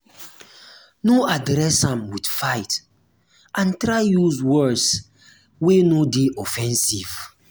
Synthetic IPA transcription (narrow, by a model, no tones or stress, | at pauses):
noadɾɛsãmwid̥fajt | ãntɾajjuzwɜs | wenodeʔɔfɛ̃nsiv̥